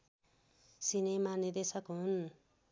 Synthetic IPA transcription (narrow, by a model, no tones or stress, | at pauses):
sinemanid̪esʌkɦun